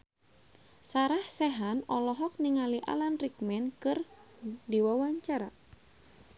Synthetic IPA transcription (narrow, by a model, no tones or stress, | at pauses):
saɾahsɛɦanɔlɔɦɔk̚niŋaliʔa̰lanrikmɛnkɨr | diwawaɲt͡ʃaɾa